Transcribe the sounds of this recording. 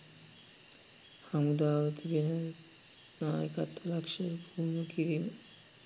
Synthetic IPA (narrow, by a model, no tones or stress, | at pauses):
hamud̪aot̪iɡeneɾ | nɔekat̪ʰːolakʃeɾbʱunokiɾim